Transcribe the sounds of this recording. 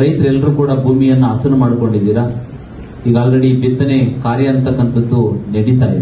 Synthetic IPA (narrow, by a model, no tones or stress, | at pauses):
ɾɐjt̪ɾɐɛlːɐɾuːkuːɽɐbʱuːmijɐnːuɐsɐnumaːɽuko̞ɳɖid̪iːɾa | iːɡaːlɾɐɽibit̪ːɐnekaːɾjɐɐnt̪ɐkːɐnt̪ɐd̪ːunɐɽit̪a̰ːjḭ